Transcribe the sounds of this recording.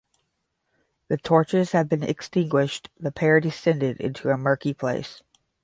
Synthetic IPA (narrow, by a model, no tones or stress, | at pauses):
ðɨtʰɔɹt͡ʃəz̥hɨv̚bɨ̃nɨ̰kstɪ̃ŋɡwɪʃðəpʰɛɹdɨsɛ̃ndɪɾɪ̰̃ntʰuəmɜ˞kipʰl̥eɪs